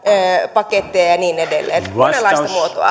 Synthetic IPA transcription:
øːpɑket̪ːiɑjɑniːnedelːḛːnmonelːɑist̪ɑmuot̪oɑ̰

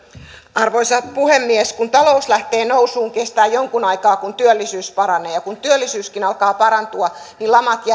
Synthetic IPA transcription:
ʔɑrʋoisɑtpuhemːieskunt̪ɑlo̞uslæht̪eːnousuːŋkest̪æːjjoŋkunɑikɑːkunt̪yølːisyːspɑɾɑneːjɑkunt̪yølːisyːskinɑlkɑːpɑɾɑnt̪uɑnilɑmɑt̪jɑ

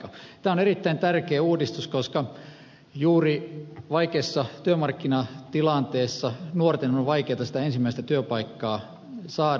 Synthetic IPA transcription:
ɑt̪æːonerit̪ːæint̪ærkeːuːdist̪uskoskɑ | juːriʋɑikeːsːɑt̪yømɑrkːinɑt̪ilɑnt̪eːsːɑnuort̪enonʋɑikeːt̪ɑsit̪æensimːæist̪æt̪yøpɑikːɑː | sɑː

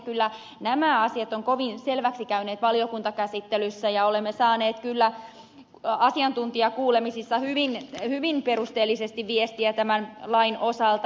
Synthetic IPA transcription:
kylːæ | næmæɑsiɑt̪oŋkoʋinselʋæksikæyneːt̪ʋɑliokunt̪ɑkæsit̪ːelysːæjɑolemːesɑːneːt̪kylːæ | ɑsiɑnt̪unt̪iɑkuːlemisisːɑhyʋinhyʋinpeɾust̪eːlːisest̪iʋʋiest̪iæt̪æmænlɑinʔosɑlt̪

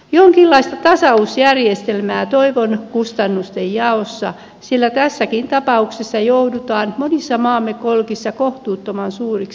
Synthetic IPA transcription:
joŋkilːɑist̪ɑt̪ɑsɑusjærjest̪elmæːt̪oiʋonkust̪ɑnːust̪ejjɑosːɑ̰ | sielːæt̪æsːækint̪ɑpɑuksesːɑjoudut̪ɑːnmonisːɑmɑːmːekolkisːɑkoht̪uːt̪ːomɑnsuːrik

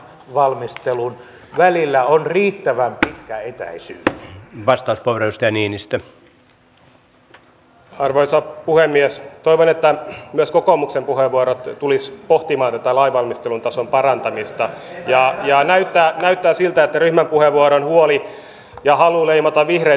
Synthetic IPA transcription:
ʋɑlmist̪elun | ʋælilːæonriːt̪ːæʋæmpit̪kæet̪æ̰isy̰ːsʋɑst̪ɑˑusporeust̪ɑjɑniːnist̪æ | ɑrʋoisɑpuhemːiɛst̪oijʋonet̪ːæmyøskokomuksempuheʋʋuoɾot̪t̪ːulispoht̪imɑːnt̪æt̪ælɑiʋɑlmist̪elunt̪ɑsompɑrɑnt̪ɑmist̪ɑjɑjɑnæyt̪ːæːnæyt̪ːæːsilt̪æet̪ːæryhmæmpuheʋːuoɾonhuoli | jɑhɑluleimɑt̪ɑʋihre

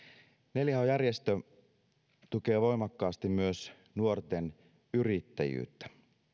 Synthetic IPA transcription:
ne̞ljæojærjest̪ø | t̪uk̟e̞ːʋo̞jmɑkːɑːst̪immyøs | nuo̞rt̪e̞n | yɾit̪ːæ̰jy̰ːt̪ːæ̥

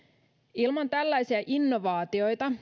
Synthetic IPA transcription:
ilmɑnt̪ælːæjsiæʔinːo̞ʋɑːt̪io̞jt̪ɑ

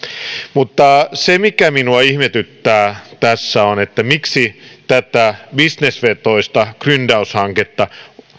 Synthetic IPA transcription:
mut̪ːɑsemikæminuɑihmet̪yt̪ːæːt̪æsːæonet̪ːæmiksit̪æt̪æbisnesʋet̪oist̪ɑkryndɑushɑŋket̪ːɑ

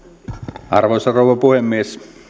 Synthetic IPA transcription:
ʔɑrʋosɑrouʋˑɑpuhemːies

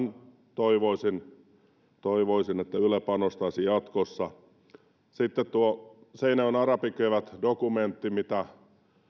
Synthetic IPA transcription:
n | t̪oiʋoisin | t̪oiʋoisinet̪ːæyløpɑːnost̪ɑisijɑt̪kosːɑ | sit̪ːet̪t̪uoseinæønɑrɑpikøʋæt̪dokument̪ːimit̪æ

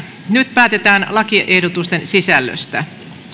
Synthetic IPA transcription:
nyt̪pæːt̪e̞t̪æːnlɑkiʔe̞hdot̪ust̪e̞nsisælːø̰st̪æ̰

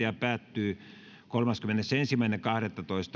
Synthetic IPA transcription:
eɑpæːt̪ːyː | kolmɑskymenesensimˑæinekɑhɾet̪ːɑt̪oist̪

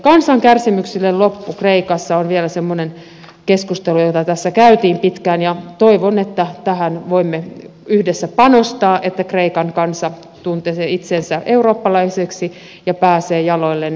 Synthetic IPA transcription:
kɑnsɑŋkærsimyksilːellopːukreikɑsːɑonʋielæsemːonen | keskust̪elujot̪ɑt̪æsːækæyt̪iːmpit̪kæːnjɑt̪oiʋonet̪ːæt̪æhænʋoimːeyhdesːæpɑnost̪ɑːʔet̪ːækreikɑŋkɑnsɑ | t̪unt̪eseit̪sensæʔeuroːpːɑlɑiseksi | jɑpæːseːjɑloilːen

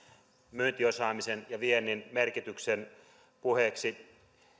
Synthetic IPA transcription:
myːnt̪iosɑːmisenjɑʋienːˑinmerkit̪yksen | puheksi

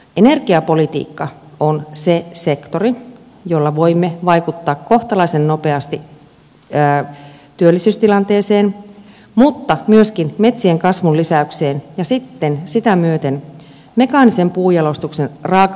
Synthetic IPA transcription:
ene̞rɡiɑpo̞lit̪ḭːkːɑ | onsese̞kt̪ori | jolːɑʋo̞imːeʋɑikut̪ːɑːkko̞ht̪ɑlɑisennope̞ɑst̪iː | t̪yølːisyːst̪ilɑnt̪eːseːn | mut̪ːɑmyøskinme̞t̪sieŋkɑsʋulisæykseːnjɑsit̪ːensit̪æmyøt̪en | me̞kɑːnisempuːjɑlost̪uksenrɑːk

